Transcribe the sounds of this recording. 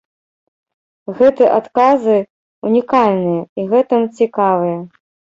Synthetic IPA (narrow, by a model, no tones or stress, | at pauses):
ɣɛt̪ɨʔat̪kazɨ | unʲikalʲnɨjɐiɣɛt̪ɨmt͡sʲikavɨjɐ